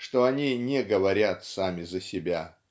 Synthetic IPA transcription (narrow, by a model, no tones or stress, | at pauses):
ʂt̪oɐnʲinʲɛɡəvɐɾʲat̪samʲɪzəsʲɪbʲa